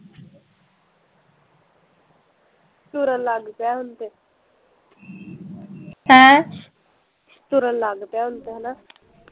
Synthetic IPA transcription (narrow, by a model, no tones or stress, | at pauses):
st̪uɾəlaːɡpjaɦʊnt̪e | hɛ̃ | st̪uɾəlaːɡpaɦʊnt̪eɦna